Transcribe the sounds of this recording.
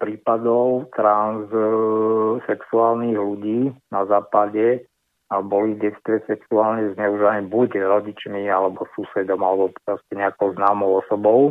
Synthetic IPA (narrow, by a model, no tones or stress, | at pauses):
pɾiːpad̪ɔʊt̪ɾans | sɛksuaːlniɣluɟiːnazaːpaɟɛ | abɔliɟɛt͡st̪ʋɛsɛksuaːlɲɛzɲɛuʒianɛbuɟɾɔɟit͡ʃmialɛbɔsusɛd̪ɔmalɛbɔppɾɔscɛɲɛakɔʊznaːmɔʊɔsɔbɔʊ